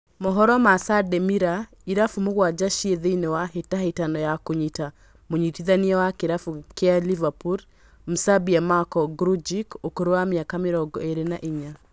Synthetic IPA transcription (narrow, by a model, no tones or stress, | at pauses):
mɔɦɔɾɔmasadɛmiɾa | iɾafumoɣwad͡ʒaʃieðeinewaɦetahetanɔjakoɲita | moɲitiðaniɛwakeɾafukealivapuɾ | m̩sabiamakɔɡɾud͡ʒikokoɾowamjakameɾɔɡɔeɾenaʔiɲa